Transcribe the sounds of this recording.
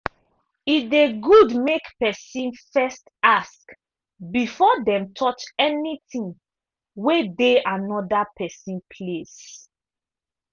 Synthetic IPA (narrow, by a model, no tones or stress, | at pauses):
ideɡudmekpɛsĩnfɛstask | bifɔdɛ̃mtʰɔt͡ʃɛnitĩŋ | wedeanɔdapʰɛsĩnpʰles